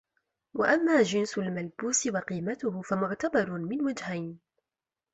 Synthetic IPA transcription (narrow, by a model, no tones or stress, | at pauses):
wa̰ʔamːaːd͡ʒɪnsʊlmalbuːsɪwaqiːmat̪ʊhʊfamʊʕt̪abɑɾˤmɪnwad͡ʒhajn